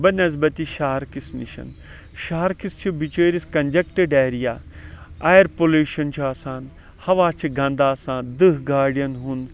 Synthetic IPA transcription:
bɐnɐzbɐt̪iʃaːɾkisnḭʃɐ̰n | ʃaːɾkist͡ʃʰibit͡ʃeːɾiskɐnd͡ʒɐkʈɐɖeːɾijaːaːjɐɾpoluːʃɐnt͡ʃʰuaːsaːn | hɐʋaːt͡ʃʰiɡɐ̃nd̪aːsaːnd̪ɨɦɡaːɖijɐnɦun

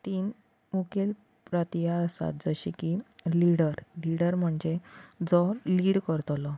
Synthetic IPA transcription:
t̪iːn | ukel | pɾət̪ijaəsa̰t̪̚d͡zəɕikiliɽəɾliɽəɾm̤əɳd͡ʑed͡zɔliːɽkəɾt̪lɔ

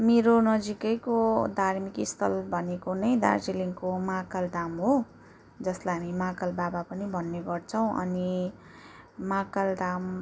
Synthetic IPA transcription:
meɾonʌd͡zikʌjkod̪ʱarmikist̪ʰʌlbʱʌnekonʌjd̪ʱa̰rsiliŋkomakald̪amɦo | d͡zʌslaɦamimakʌlbabapʌnibʱʌnːeɡʌrt͡sʰʌw̃ʔʌ̰ni | makald̪am

